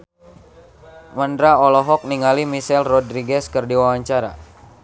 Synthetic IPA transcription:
məndɾaɔlɔɦɔk̚niŋalimisɛlrɔdɾiɡɛskərdiwawaɲt͡ʃaɾa̰

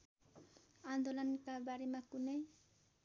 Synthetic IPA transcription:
and̪olankabaɾimakʊnaj

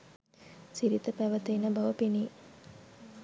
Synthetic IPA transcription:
siɾit̪əpæʋət̪eːnəbɐʋəpiniː

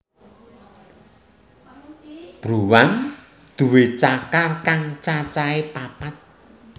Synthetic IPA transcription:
b̥ɾuwaŋ | d̪̥ṳwet͡ʃakarkaŋt͡ʃat͡ʃaepapat̪̚

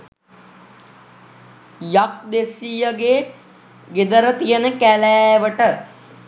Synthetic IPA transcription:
jak̚d̪esiːjəɡe | ɡed̪əɾət̪ijənəkælæːʋəʈə

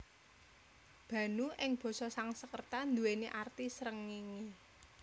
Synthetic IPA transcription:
b̥ä̤nuʔɪŋb̥ɔ̤sɔsaŋsəkərt̪and̪uweneʔart̪isɾəŋːiŋi

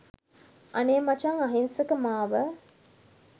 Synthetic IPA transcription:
ʔɐneːmɐt͡ʃɐŋɐɦinsəkəmaːʋə

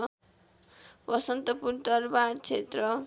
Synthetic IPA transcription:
bʌsʌnt̪ʌpunt̪ʌrbaɽt͡sʰet̪rʌ

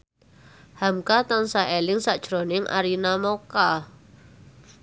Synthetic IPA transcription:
hamkat̪ansaɦelɪŋsaʔd̥ʒ̥ɾonɪŋʔa̰ɾinamoka

